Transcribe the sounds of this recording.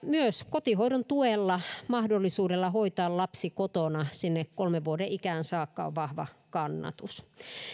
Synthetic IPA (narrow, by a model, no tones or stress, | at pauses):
myøskot̪ihoiɾont̪uelːɑmɑhdolːisuːdelːɑhoit̪ɑːllɑpsikot̪onɑsinːekkolmeʋʋuodeʔikæːnsɑːkːɑo̰ʋʋɑhʋɑ̰kɑnːɑ̰t̪us